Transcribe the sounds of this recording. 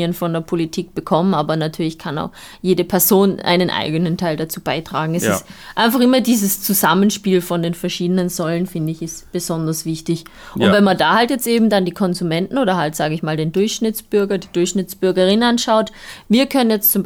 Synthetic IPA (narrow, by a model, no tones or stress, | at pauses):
ənfɔndeːɐpʰolitʰiːk̚b̥əkʰɔmənaːbɐnatʰyːɐlɪçkʰana̰ʊx | jeːdəpʰɛɐzoːnʔa̰ɪnənʔa̰ɪɡənəntʰaɪldat͡suːbaɪtʁ̥aːɡŋ̩ɛsɪ̰stʔaɪnfaχʔɪmɐdiːzəst͡suzamənʃpiːlfɔndeːnfɛɐʃiːdənənzɔlənfɪndəɪçɪstb̥əzɔndɐsv̥ɪçtɪç | ʔʊntvɛnmandaːhaltjɛt͡stʔeːbm̩dandiːkʰɔnzumɛntn̩oːdɐɦaltz̥aːɡəɪçmaːldeːndʊɐçʃnɪt͡sb̥ʏɐɡɐdiːdʊɐçʃnɪt͡sb̥ʏɐɡɐʁɪnənanʃaʊtviːɐkʰœnənjɛt͡stt͡sʊmb